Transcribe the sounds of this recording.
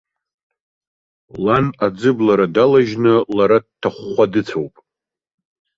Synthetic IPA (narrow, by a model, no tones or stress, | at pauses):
lanad͡zɨblaɾadalaʒnɨlaɾadtʰːaχːʷadɨt͡sʰawpʼ